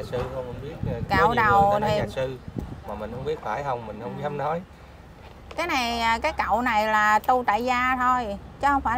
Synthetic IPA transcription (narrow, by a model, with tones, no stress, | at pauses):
a˨˩sɨ˧hə˧wŋ͡mhŋ͡mɓi˦˥ət̚ːkaː˧˨˩wɗə˨˩wt̪ʰi˨˩˨sɨ˧maː˨˩mï˨˩ŋ̟hə˧wŋ͡mɓi˦˥ət̚faː˧˩jɦə˧wŋ͡mmï˨˩ŋ̟hə˧wŋ͡mkɛ˨˦mnɔ˨˦j | kaː˨˦jna˨˩jːkaː˨˦jkə̰˧˨wna˨˩jlaː˨˩t̪u˧t̪a̰ː˧˨jzaː˧t̪ʰo˧jt͡ɕɔ˨˦hə˧wŋ͡mfaː˧˩